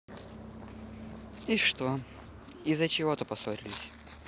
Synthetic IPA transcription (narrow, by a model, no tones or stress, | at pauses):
iʂt̪o | izət͡ɕɪvot̪əpɐsoɾʲɪlʲɪsʲ